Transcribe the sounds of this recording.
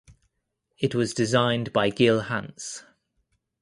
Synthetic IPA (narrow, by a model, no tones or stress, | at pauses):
ɪʔwɒzdɪzãɪ̃nbaɪɡɪlˠhã̰ns